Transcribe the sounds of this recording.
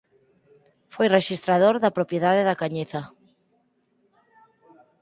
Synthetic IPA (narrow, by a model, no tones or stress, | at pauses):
fojreʃist̪ɾað̞oɾðapɾopjeðaðeðakaɲeθa